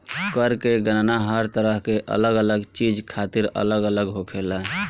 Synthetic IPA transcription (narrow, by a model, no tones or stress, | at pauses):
kəɾkeɡənnaɦəɾt̪əɾəɦkeʔə̰ləɡələɡt͡ʃid͡ʒkʰat̪iɾə̰ləɡələɡɦokʰelaɦ